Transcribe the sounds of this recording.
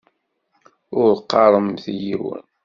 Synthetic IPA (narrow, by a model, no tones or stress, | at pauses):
ʊɾqːɑɾˤəmθjiwə̰n